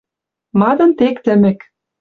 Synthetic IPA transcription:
mɑd̪ɤ̆nt̪ekt̪ɘ̆mɘ̆k

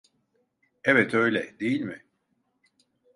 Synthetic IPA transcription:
ɛvɛt̪ʰø̞jlʲɛd̪ejilʲmɪ

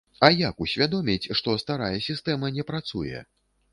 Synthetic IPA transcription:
ɐjakusʲvʲad̪ɔmʲit͡sʲʂt̪ɔst̪aɾajɐsʲist̪ɛmɐnʲɛpɾat̪sujɛ̰

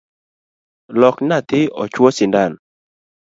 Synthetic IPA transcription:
lɔknat̪ɪɔ̰t͡ʃwɔsɪndan

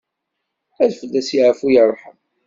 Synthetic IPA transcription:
æðfəlːæsiʕəfujəɾˤħəm

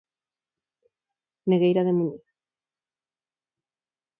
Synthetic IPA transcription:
neɣejɾaðemuɲi

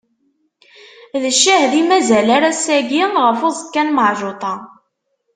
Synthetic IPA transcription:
ðəʃːæhðimæzælaɾæsæɡinʁəfozˤkːænməʕʒot̪ˤɑ

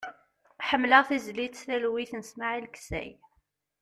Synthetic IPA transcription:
ħəmːləʁθizlid̪θælwiθnəsmaʕilksæ̰j

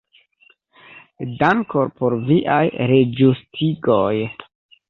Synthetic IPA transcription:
daŋkoɾpoɾviʔa̰jɾed͡ʒustʰiɡoj

